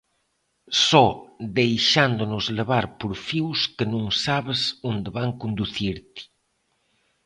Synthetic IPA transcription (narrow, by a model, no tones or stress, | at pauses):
sɔðejʃand̪onʊzleβaɾpoɾfiwskənũŋsaβesond̪eβaŋkond̪uθiɾt̪i̥